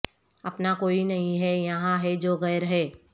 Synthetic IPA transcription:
ɐpnakoːinɐɦĩɦɛjɐɦãɦɛd͡ʒoːɣɛːɾɦɛː

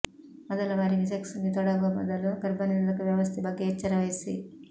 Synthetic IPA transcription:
mɐd̪ɐlɐʋaːɾiɡiseksuŋɡit̪ɔɽɐɡomɐd̪ɐluɡɐɾbɐnilɐkuʋjɐʋɐst̪ʰibɐɡːeːt͡ʃːɐɾɐʋɐjsḭ

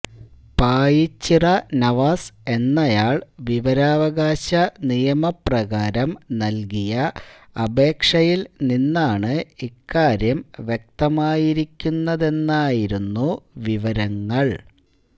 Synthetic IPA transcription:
paːjit͡ɕːirɐnɐʋaːse̞nːɐjaːɭʋiʋɐɾaːʋɐɣaːɕɐnijɐmɐprɐɣaːɾɐmnɐlkijɐ | ɐbe̞ːkʂɐjilninːaːɳɨikːaːɾjɐmʋjek̚t̪ɐmaːjiɾikʲːunːɐðe̞nːaːjiɾunːuʋiʋɐɾɐŋːɐɭ

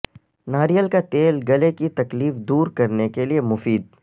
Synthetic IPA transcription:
naːɾijəlkat̪eːlɡɐlekit̪ɐkliːfd̪uːɾkɐɾnekeliemʊfiːd̪̚

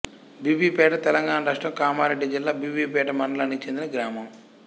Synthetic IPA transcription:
biːbiːpɛːʈɐt̪ɛlɐŋɡaːnɐɾaːʂʈɾɐmkaːmaːɾeɖːid͡ʒilːaːbiːbiːpɛːʈɐmɐɳɖɐlanːikt͡ʃe̞nd̪inɐɡɾaːmɐm

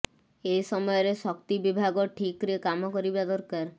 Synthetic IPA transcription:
ejsɔmɔjɔɾeʃɔkt̪ibibʱaɡoʈʰikɾiekamɔkɔɾibad̪ɔɾkaɾ

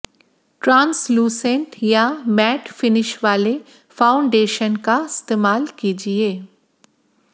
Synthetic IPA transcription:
ʈɾãːnsluːsẽɳʈjamɛːʈfɪnɪʃʋaːle | faːʊ̃ɳɖeːʃənkaɪst̪eːmaːlkiːd͡ʒieː

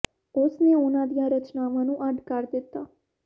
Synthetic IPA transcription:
osneonad̪jãɾət͡ʃnaʋanũʔaɖkaɾd̪et̪a

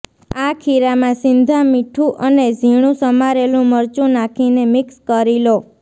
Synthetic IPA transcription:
akʰiɾamãsɪnd̪ʱamiʈʰũʔəned͡ʒʱiɽ̃ũsəmaɾelũməɾt͡ʃũnakʰinemɪkskəɾilo

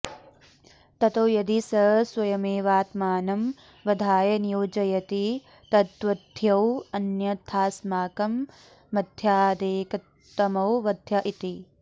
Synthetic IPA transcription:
t̪ɐt̪ɐwjɐd̪isɐswɐjɐmeːʋaːt̪maːnɐm | ʋɐd̪ʱaːjɐnjoːd͡ʒɐjɐt̪i | t̪ɐt̪ʋɐd̪ʱjɐwɐnjɐt̪ʰaːsmaːkɐmː | ɐd̪ʱjaːd̪eːkɐtː | ɐmɐwʋɐd̪ʱjɐʔit̪i

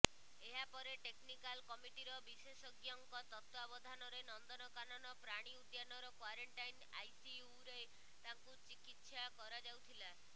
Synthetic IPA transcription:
eɦapɔɾeʈeknikalkɔmiʈiɾɔbisesɔɡjɔŋkɔt̪ɔt̪wabɔd̪ʱanɔɾenɔnd̪ɔnɔkanɔnɔpɾaɽ̃iud̪janɔɾɔkwaɾeɳʈajna̰jsiuɾe | t̪aŋkut͡ʃikit̪sakɔɾad͡ʒawt̪ʰila

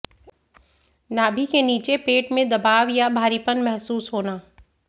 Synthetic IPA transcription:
naːbʱikeniːt͡ʃepeːʈmẽd̪ɐbaːʋjabʱaːɾipənmɛɦsuːsɦoːnaː

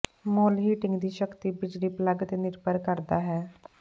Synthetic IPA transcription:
moːlɦiːʈɪ̃ŋɡd̪iːʃəkt̪iːbɪd͡ʒliːpləɡt̪eːnɪɾpəɾkəɾd̪aːɦɛː

